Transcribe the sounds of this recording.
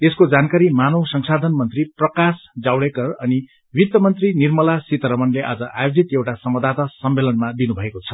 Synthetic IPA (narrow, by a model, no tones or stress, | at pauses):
eskod͡zankaɾimanʌwsʌŋsad̪ʱʌnmʌnt̪riprʌkasd͡zawɽekʌrʌni | wit̪jʌmʌnt̪rinirmʌlasit̪ʌɾʌmʌnleʔa̰d͡zʌʔajod͡zit̪jewʈasʌmwʌd̪ʱat̪asʌmːelʌnmad̪inubʱʌekot͡sʰʌ̥